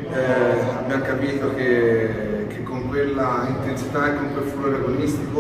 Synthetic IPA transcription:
ɛabjaŋkapiːt̪ok̟e | k̟ekːoŋkwelːaint̪ensit̪aekːoŋkwelːfoloɾaɡonist̪i̥ko

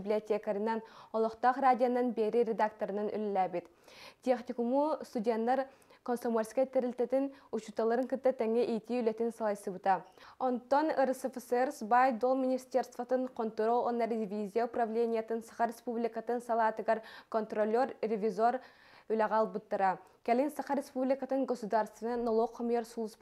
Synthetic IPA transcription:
biblʲiot̪ʰʲekaɾɨnːɑnolˠɔχt̪ɑχɾaːd̪ʲijonːɨnbeɾɪɾed̪akt̪oɾɨnɨny̰llɛbit̪ | t̪ʰʲeχnikumust̪ud̪ʲent̪lːˠɑɾ | konsomoɾʲskʲɑjt̪ɛɾɪlʲt̪ɛt̪ɪnut͡ʃut̪ːɑlˠɨɾɨŋkɨt̪ːɨt̪ɛŋɛʔijt̪ʰiylʲɛt̪ɪnsɑlˠɑjsɨbut̪ɑont̪ːonɨɾsefeseɾsbɑjd̪olˠminʲist̪eɾst̪vɑt̪ɨnqʰont̪uɾoonːɑɾd̪ivʲizʲijaupɾɑvlʲenʲijɛt̪ɨnsɑχɑɾespublikɑt̪ɨnsɑlˠɑt̪ɨɡɑɾkont̪ɾolʲːoɾɾɪvʲizoɾ | ylæʁɑlˠbut̪ːɨɾɑ | kʲɛlɪnsɑχɑɾespublikat̪ɨnɡosud̪ɑɾst̪ɨnɨnolˠoqʰːomjeɾsulˠɨsp

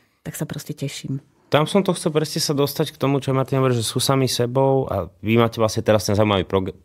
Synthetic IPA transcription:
t̪aksapɾɔscɛcɛʃiːm | t̪amsɔmt̪ɔxɔlpɾɛsɲɛsad̪ɔst̪ackt̪ɔmut͡ʃɔamat̪inɦɔʋɔɾiʒɛsuːsamisɛbɔʊa̰ʋimaːcɛʋlasɲɛt̪ɛɾast̪ɛnzaːuiːmaʋiːpɾɔɡ

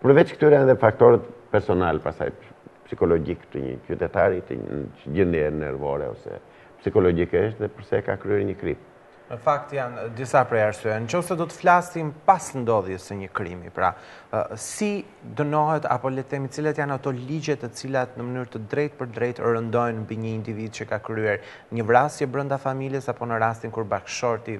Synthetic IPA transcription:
pəɾvɛt͡ʃkt̪yɾɛanðɛfak̚t̪ɔɾɛt̪pɛɾsɔnalpasa̰j | psikɔlɔɟikt̪əɲə̰t͡ʃyt̪ɛt̪aɾit̪ə̰t͡ʃəɟəniɛnɛ̰ɾvɔɾɛ̰ɔ̰sɛ̰ | psikɔlɔɟikɛʃðɛpəɾsɛka̰kɾyɛɾɲəkɾḭp̚ | nəfakt̪jand̪isapɾɛaɾsyɛnt͡ʃɔfsɛd̪ɔt̪ə̥flasimpasnd̪ɔðjɛsəɲəkɾimḭpɾa̰ | si | d̪ənɔɦɛt̪a̰pɔlɛt̪ɛmit͡silɛt̪janat̪ɔlid͡ʑɛt̪ɛt͡silat̪nəmənyɾt̪əd̪ɾɛjt̪̚pəɾd̪ɾɛjt̪ɾənd̪ɔjnmbiɲəind̪ivid̪̚t͡ɕəkakɾyɛɾ | ɲəvɾasjɛbɾənd̪afamiljɛsapɔnəɾast̪inkuɾbakʃɔɾt̪i

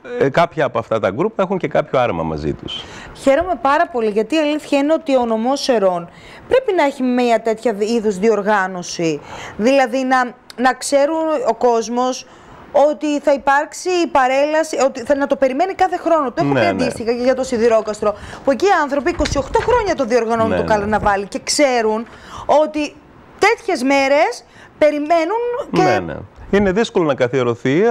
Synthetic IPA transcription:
kɐpçɐːpoɐft̪ɐt̪ɐɡɾupuexuɲce̞kɐpçoɐɾmɐ̰mɐ̰zḭt̪usçe̞ɾo̞me̞pɐɾɐpo̞liʝɐt̪iːɐliθçɐine̞o̞t̪iono̞mo̞se̞ɾo̞n | pɾe̞pinɐeçimeɐt̪e̞t̪çɐiðusðio̞ɾɣɐno̞siðilɐðinɐnɐkse̞ɾuno̞ko̞zmo̞s | o̞t̪iθɐipɐɾksiːpɐɾe̞lɐsiot̪iɐnɐt̪o̞pe̞ɾime̞nikɐθe̞xɾo̞not̪oexunneɐnd̪ist̪ixɐceʝɐt̪o̞siðiɾo̞kɐst̪ɾo̞pue̞ciːɐnθɾo̞p̬iːko̞sio̞xt̪o̞xɾo̞ɲɐt̪oðio̞ɾɣɐnont̪okɐlɐnɐvɐlice̞kse̞ɾuno̞t̪i | t̪e̞t̪çe̞zme̞ɾe̞s | pe̞ɾime̞nuncen̰ine̞ðiskolonɐkɐθieɾo̞θi

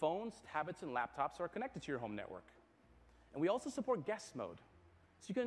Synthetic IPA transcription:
fõʊ̃nz̥hæbɨtsɨ̃nlæp̚tʰɑpsə˞kʰɨnɛk̚tɨd̚tʰɨjə˞ɦõʊ̃mnɛ̰ʔwɜ̰˞k | ɨ̃nwiɔlˠsoʊsəpʰɔɹt̚ɡ̥ɛsmo̰ʊd̥ | soʊjɨkɨ̃

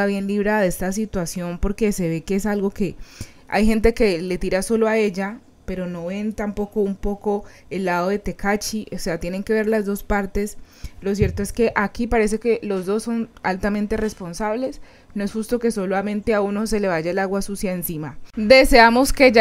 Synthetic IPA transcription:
aβje̞nliβ̞ɾaðeest̪as̬it̪wasjo̞npo̞ɾke̞se̞βe̞keesalɡo̞ke̞ | a̰jxe̞nt̪̬e̞ke̞le̞t̪iɾaso̞lo̞ae̞d͡ʒa | pe̞ɾo̞no̞βe̞nt̪ampo̞ko̞umpo̞ko̞ | e̞lːaðo̞ðe̞t̪e̞kat͡ʃiʔose̞at̪je̞ne̞ŋke̞βe̞ɾlazd̪o̞spaɾt̪e̞s | lo̞s̬je̞ɾt̪o̞e̞ske̞ʔakipaɾe̞s̬e̞ke̞lo̞zd̪o̞sːo̞nalt̪amẽ̞nt̪ere̞spo̞nsaβle̞s | no̞e̞sxust̪o̞ke̞so̞lamẽ̞nt̪e̞auno̞se̞le̞βaʝaelaɣwasusjaensimad̪e̞se̞amo̞ske

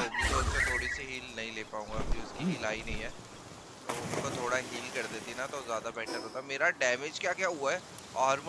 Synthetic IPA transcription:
ɐbĩd͡ʒoɐtːʃʰat̪ʰoːɽisiɦiːlnɐɦĩleːpaːũːŋɡaɐbʱiʊskiɦiːlaːinɐɦĩɦɛː | t̪oːʊnkot̪ʰoːɽaɦiːlkɐɾd̪eːt̪inat̪ozjaːd̪abɛːʈʰaɾoːt̪ameːɾaɖɛːmed͡ʒkjaːkjaːɦuaɦɛː | ɔːɾm

